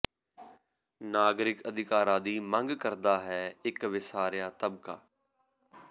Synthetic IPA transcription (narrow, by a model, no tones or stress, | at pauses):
naːɡɾɪkəd̪ʱɪkaːɾãːd̪iːmə̃ŋɡkəɾd̪aːɦɛːɪkʋɪsaːɾjaːt̪əbkaː